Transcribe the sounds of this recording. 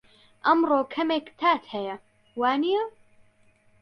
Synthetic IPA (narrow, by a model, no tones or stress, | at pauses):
ʔɐmroːkʰɐmeːkt̪ʰaːt̪hɐjɐ | waːnijɐ